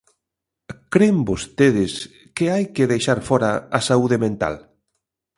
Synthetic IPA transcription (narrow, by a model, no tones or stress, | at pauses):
kɾembost̪eðɪs | kɪajkɪðejʃaɾfɔɾaasauðɪmẽnt̪a̰l